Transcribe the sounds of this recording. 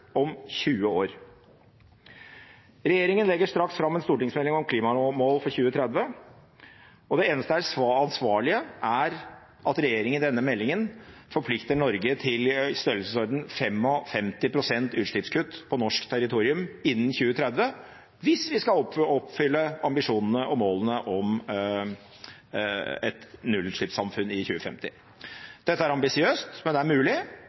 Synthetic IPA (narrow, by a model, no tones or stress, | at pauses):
ɔmçʉːəoːɾ | ɾɛjeːɾɪŋənlɛɡːəʂt̪ɾɑksfɾɑmːɛnst̪uːʈɪŋsmɛlːɪŋɔmkʰliːmɑmoːlfɔɾçʉːət̪ʰɾɛd̪ʋə | ɔd̪ɛeːnəst̪əæsɑnsʋɑːɭɪəʔæɾ | ʔɑt̪ɾɛjeːɾɪŋənd̪ɛnːəmɛlːɪŋənfɔɾpʰlɪkt̪əɳɔɾɡət̪ʰɪlst̪œɾl̩səsɔɾd̪n̩fɛmːɔfɛmt̪ɪpʰɾʊsɛnt̪ʉːt̪ʂɭɪpskʰʉt̪ːpʰɔnɔʂkt̪ʰæɾɪt̪ʰuːɾɪʉmɪnːn̩çʉːət̪ʰɾɛd̪ʋə | ʋɪsʋɪskɑɔɔpfʏlːəɑmbɪʂuːnənəʔɔmoːlənəʔɔm | ɛ̰t̪nʉlːʉt̪ʂɭɪpsɑmfʉnɪçʉːəfɛ̰mt̪ɪ | d̪̥ɛt̪ːəæɾɑmbɪsɪøːst̪mɛnd̪ɛæɾmʉːlɪ